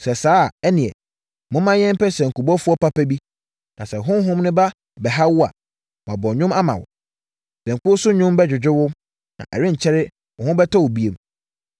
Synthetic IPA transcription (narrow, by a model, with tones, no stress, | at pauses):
sɛ˨saː˦˨ɛ˦nĩ˨ɛ̰˨ | mʊ̃˦mã˦ɲɛ̃˦mpɛ˦sɛ˨ŋ̩˨ku˨bɔ˦fʊ˦ɔ˦pa˦pæ˦bi˦ | nã˨sɛ˨ɦʊ̃˦n˦ɦʊ̃˦mnʊ̃˦ba˦˨ | bɛ˨ɦa˦wʊ˦a̰˨ | m˨ã˨bɔ˨ɲᶣʊ̃˦ma˦mã̰˨wʊ̰˨ | sɛ̃˨ŋ̩˨kʊ˦sʊ˦ɲʊ̃˦mbɛ˦d͡ʑᶣɪ˨d͡ʑᶣɪ˦wʊ˦ | nã̰˨ʔɛ̰˨ɾɪ̃˦ɲ̩˨t͡ɕʰɛ˦ɾɪ˦ | ɔ˨hʊ̃˦bɛ˦tʰɔ˦wʊ˨bi˦e˦m